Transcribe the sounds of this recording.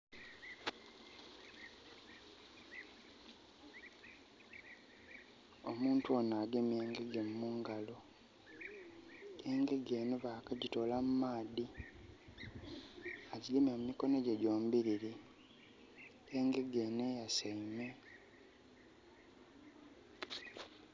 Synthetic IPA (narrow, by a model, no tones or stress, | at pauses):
o̞muːntuonaːɡemeːŋɡe̞ɡemːuŋɡalo | ɡeːŋɡe̞ɡeːnoβakaɟito̞lammaːði | aɟiɡemamumiko̞noɟeɟoːmubiɾiɾi | eːŋɡe̞ɡenejasaime